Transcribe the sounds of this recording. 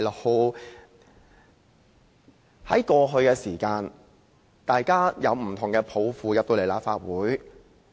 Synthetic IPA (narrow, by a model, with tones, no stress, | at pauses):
ho˨˧w | hɐ˨˥jkɔː˧ɦɵ˧ɥkɛː˧siː˨˩kaː˧n | t̪aː˨jkaː˥jɐ˨˧wm̩˨˩t̪ʰʊ˨˩ŋkɛː˧pʰo˨˥wfuː˧jɐ˨˩p̚t̪o˧le˨˩laː˨p̚faː˧t̚wuː˨˥j